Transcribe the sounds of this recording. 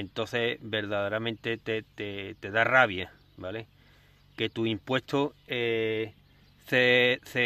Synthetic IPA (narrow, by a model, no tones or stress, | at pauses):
ent̪õ̞θe̞be̞ɾðaðeɾamẽnt̪e̞t̪et̪et̪e̞ðaraβja | bale̞ | ke̞t̪uimpwe̞st̪oe | θeθe